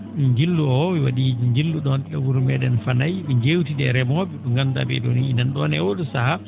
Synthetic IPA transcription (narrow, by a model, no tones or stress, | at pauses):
ɲd͡ʒilːuɔwiwaɗid͡ʒiɲd͡ʒilːuɗɔnɗɛwuɾumɛɗɛnfanajɓɛɲd͡ʒewtidɛɾɛmɔbiɗɔŋɡanda̰bɛ̰ɗo̰niːnanɗɔnɛwoɗusaha